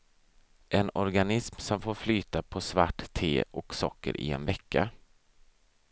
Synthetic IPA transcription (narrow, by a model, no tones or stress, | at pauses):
ʔɛnɔɾɡanɪsmsɔmfoːɾflyːt̪apʰɔsvaʈːt̪ʰːeːʔɔksɔkːə̰ɾʔɪ̰ɛ̰nvɛkːa̰